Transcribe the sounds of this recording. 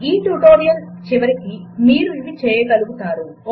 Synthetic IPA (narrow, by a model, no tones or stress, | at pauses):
iːʈuːʈoːɾijɐlt͡ʃiʋɐɾikimiːɾuiʋit͡ʃɛːjɐɡɐluɡut̪aːɾu